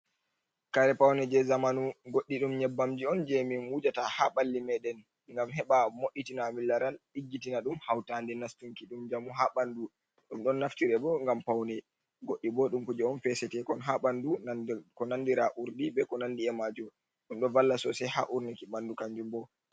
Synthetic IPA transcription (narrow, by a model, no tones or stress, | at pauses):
kaɾɛpawnɛd͡ʒɛzamanuɡoɗːiɗumɲɛbːamd͡ʒiɔnd͡ʒemimwud͡ʒatahaɓalːimɛɗɛn | ŋɡamhɛɓamoɗːitinamilːaɾalɗiɡːitinaɗumhawtandɛnastuŋkiɗumd͡ʒamuɦaɓandu | ɗumɗɔnːaftiɾɛbɔŋɡampawnɛ | ɡoɗːibɔɗumkud͡ʒɛɔnfɛsɛtɛkɔnɦaɓandukɔnandiɾaʔuɾdibɛkɔnandiɛmad͡ʒɔ | ɗumɗɔvalːasɔsɛha̰ʔuɾnikiɓandukaɲd͡ʒumbɔ